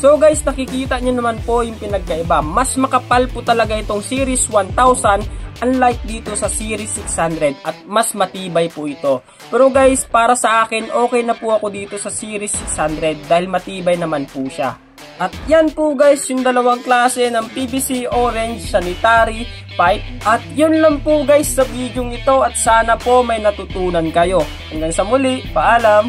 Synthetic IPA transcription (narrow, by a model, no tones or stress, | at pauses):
so̞ɡajsnɐkɪkiːt̪ɐɲanɐmanpo̞jʊŋpɪnɐɡ̚kɐʔɪbamɐsmɐkɐpalpʊt̪ɐlɐɡaʔɪt̪o̞ŋsiːɾɪswant̪awsɐnʔɐŋlajk̚d̪iːt̪o̞sɐsiːɾɪsːɪkshand̪ɾɛd̪̚ɐt̪̚mɐsmɐt̪iːbɐjpʊʔɪt̪o̞ | pɛːɾo̞ɡajspaːɾɐsɐʔaːkɪnʔo̞ːkɛjnɐpuɐko̞d̪iːt̪o̞sɐsiːɾɪsːɪkshand̪ɾɛd̪̚ːaːhɪlmɐt̪iːbɐjnɐmanpuʃa̰ | ʔɐt̪̚janpʊɡajsjʊŋd̪ɐlɐwaŋklaːsɛnɐŋpibisiʔoːɾɛnd͡ʒsɐnɪt̪aːɾi | pajp̚ʔɐt̪̚jʊnlɐŋpʊɡajsːɐbiːd̪joŋɪt̪o̞ʔɐt̪̚saːnɐpo̞mɐjnɐt̪ʊt̪uːnɐnkɐjo̞ | ɐŋɡansɐmʊliʔpɐʔaːlɐm